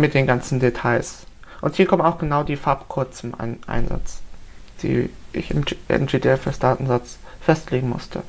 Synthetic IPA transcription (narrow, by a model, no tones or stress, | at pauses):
mɪt̚d̥eːnɡant͡sn̩detʰaɪs | ʔʊnthiːɐkɔmənaʊxɡ̥ənaʊdiːfaɐpkʰʊɐt͡sʊmʔa̰nʔa̰ɪnza̰t͡sd̥ḭːʔɪ̰çɪ̰mʔɛ̰md͡ʒeːdʰeɛfɛsd̥aːtn̩zat͡sfɛstleːɡŋ̩mʊ̰stʰə̰